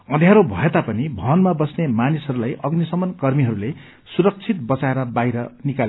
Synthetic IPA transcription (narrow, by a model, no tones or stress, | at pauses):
ʌd̪ʱjaɾobʱʌet̪apʌnibʱʌnmabʌsnemanisɦʌɾulajʔʌɡnisʌmʌnkʌrmiɦʌɾule | suɾʌk̚t͡sʰit̪̚bʌt͡saeɾʌbajɾʌnikal